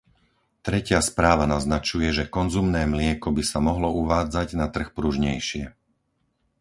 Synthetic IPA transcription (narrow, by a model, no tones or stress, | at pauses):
t̪ɾɛcɪaspɾaːʋanaznat͡ʃujɛʒɛkɔnzumnɛːmlɪɛkɔbisamɔɦlɔuʋaːd͡zaɟnat̪r̩xpɾuʒɲɛjʃɪɛ